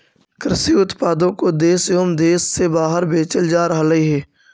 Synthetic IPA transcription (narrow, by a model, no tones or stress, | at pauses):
kɾɪsiːʊt̪paːd̪õkod̪eːsjoːmd̪eːsːebaːɦəɾbeːt͡ʃəld͡ʒaːɾəɦləɦiɦɛː